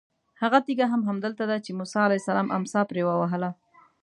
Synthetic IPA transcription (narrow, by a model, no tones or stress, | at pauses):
haɣat̪iɡaɦamɦamd̪əlt̪ad̪at͡ʃemusɑalajsalɑmʔa̰msɑpɾewawaɦəla